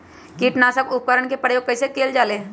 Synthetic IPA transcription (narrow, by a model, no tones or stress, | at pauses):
kiːʈnaːsəkʊp̚kəɾəɳkepəɽjoːɡ̚kːɐɪsekeːld͡ʒaːleː